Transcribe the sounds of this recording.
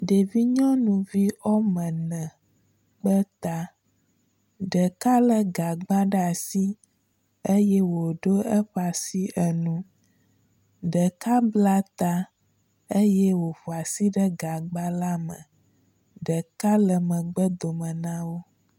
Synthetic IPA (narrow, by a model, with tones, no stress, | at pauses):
ɖe˨vi˦ɲɔ̃˦nũ˨vi˦ɔ˦mɛ̃˨nɛ̃˨ | ɡ͡bə˦t̪a˦ | ɖə˨ka˦lə˨ɡa˨ɡ͡ba˦ɖə˦a˨si˦ | e˦jɛ˦wo˨ɖo˦ə˦ɸa˨si˦ʔə˨nũ˦ | ɖə˨ka˦bla˦t̪a˦ | e˦jɛ˦wo˨ɸo˨a˨si˦ɖə˦ɡa˨ɡ͡ba˦la˦mə̰̃˨ | ɖə˨ka˦lə˨mə̃˨ɡ͡bə˦d̪o˨mə̃˨nã˦wo˦